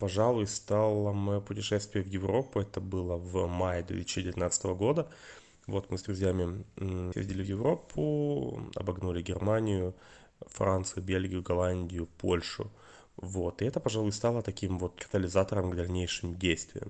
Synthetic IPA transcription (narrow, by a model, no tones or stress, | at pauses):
pɐʐalˠʊjst̪alˠəmɨpʊtʲɪʂɛst̪vʲɪjəvjɪvɾo̞pːʊɛt̪əbɨlˠəvmajɪd̪vʲet̪ɨsʲt͡ɕɪdʲɪvʲɪt̪nat̪sət̪əvəɡo̞d̪ə | vo̞t̪mɨzd̪ɾʊzʲjamʲɪxḛzʲdʲɪlʲɪvjɪvɾo̞pʰːʊ̰ɐ̰bɐɡnulʲɪɡʲɪrmanʲɪjʊ | fɾʔant̪sɨjʊbʲelʲɡʲɪjʊɡɐlˠanʲdʲɪjʊpʰolʲʂʊ̰ | vo̞t̪ɨɛt̪əpɐʐalˠʊjst̪alˠət̪ɐkʲimvo̞t̪kə̥t̪əlʲɪzat̪əɾəmɡd̪ɐlʲnʲejʂɨmdʲejst̪vʲɪ̰jə̰m